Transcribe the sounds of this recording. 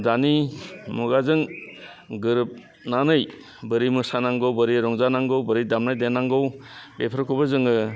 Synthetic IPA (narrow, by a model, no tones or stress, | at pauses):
danimuɡazɯŋ | ɡɯɾɯp̚ | nanɯj | bɯɾimɯsanaŋɡɔwbɯɾiɾɔŋzanaŋɡɔwbɯɾidamnajdenaŋɡɔwbepʰɾkʰubazɯŋɯ